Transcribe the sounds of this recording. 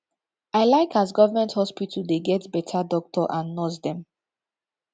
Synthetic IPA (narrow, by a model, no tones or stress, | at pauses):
aɪlaɪkʰasɡɔvəmɛ̃nthɔspitʰəldeɡɛtbɛtʰadɔk̚tʰɔʔãnːɔsdɛ̃m